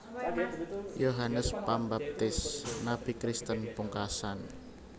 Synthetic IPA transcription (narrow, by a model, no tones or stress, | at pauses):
joɦanəspambap̚t̪ɪsnab̥ikɾist̪ənpuŋkasan